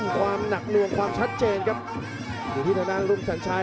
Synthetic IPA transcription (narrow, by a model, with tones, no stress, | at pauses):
nkʰwaː˧mna˨˩k̚nɯ˧əŋkʰwaː˧mt͡ɕʰa˦˥t̪̚t͡ɕeː˧nkʰa˦˥p̚ | juː˨˩t̪ʰiː˥˩a˧daː˥˩nɾu˥˩msa˨˩˦nt͡ɕʰa˧